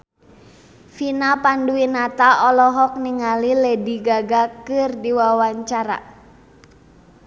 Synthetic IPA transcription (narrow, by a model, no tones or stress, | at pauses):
finapanduinat̪aʔɔlɔɦɔk̚niŋalilɛdiɡaɡakɨrdiwawaɲt͡ʃaɾa̰